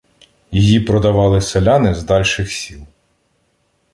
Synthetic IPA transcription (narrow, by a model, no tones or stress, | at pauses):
jijipɾɔd̪ɐʋɑlˠɪselʲɑnɪzd̪ɑlʲʃɪxsʲilˠ